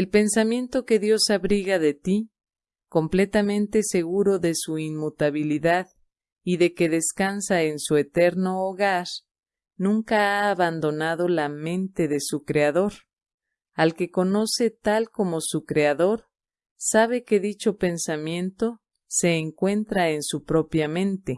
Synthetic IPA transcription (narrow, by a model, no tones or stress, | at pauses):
elpe̞nsamjẽ̞nt̪o̞ke̞ðjo̞saβɾiɣaðe̞t̪i | ko̞mple̞t̪amẽ̞nt̪e̞se̞ɣuɾo̞ðe̞suinmut̪aβiliðað | iðe̞ke̞ðe̞skansaensue̞t̪e̞ɾno̞ːɣaɾ | nũŋkaaːβand̪o̞naðo̞lamẽ̞nt̪e̞ðe̞sukɾe̞aðo̞ɾ | alke̞ko̞no̞se̞t̪alko̞mo̞sukɾe̞aðo̞ɾ | saβ̞e̞ke̞ðit͡ʃo̞pe̞nsamjẽ̞nt̪o̞ | se̞ːŋkwe̞nt̪ɾaensupɾo̞pjamẽ̞nt̪e̞